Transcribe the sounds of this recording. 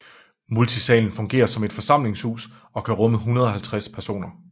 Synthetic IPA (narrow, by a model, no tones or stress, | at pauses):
mult͡sʰisɛ̰ːln̩fɔ̽ŋɡ̥e̝̰ːɐsɒ̽me̝d̥fɒ̽sɑ̈m̰le̝ŋshṵːs | ɒ̽kʰæʁɔ̽məɦunɐð̞ˠɒ̽ɦælt͡sʰʁaspʰæɐso̝̰ːnɐ